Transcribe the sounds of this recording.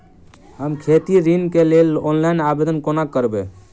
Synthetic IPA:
ɦəmkʰeːt̪iɾinkelelɔːnlaɪnabed̪ənkonakəɾbe

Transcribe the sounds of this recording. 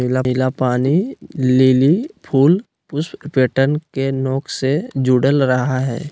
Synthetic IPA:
ɪlaɦɪlapaːnililipʰuːl | pʊspeːʈənkenɔːksed͡ʒuːɽəlɾəɦaɦɛ̰ː

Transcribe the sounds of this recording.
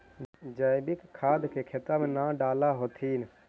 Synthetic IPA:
d͡ʒəːɪbɪkkʰːaːd̪kekʰet̪aːmẽnãːɖaːlaɦoːt̪ʰiːn

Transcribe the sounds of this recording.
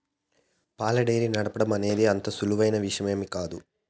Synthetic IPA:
paːlɐɖɐjɾinɐɽɐpɐɽɐmɐne̞ːd̪eːɐnt̪ɐsuluʋɐjnɐʋiʂɐme̞ːmikaːd̪u

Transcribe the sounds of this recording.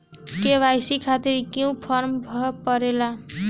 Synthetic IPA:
keβajsikʰat̪iɾkjũpʰʌɾmbʱʌpʌɾela

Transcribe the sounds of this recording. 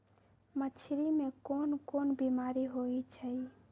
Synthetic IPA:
mət͡ʃʰiɾimekonkonbimaɾiɦojt͡ʃʰəj

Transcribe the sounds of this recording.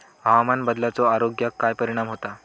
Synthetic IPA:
ɦaʋamanbəd̪lat͡soaɾoɡjakːajpəɾiɽ̃amɦot̪a

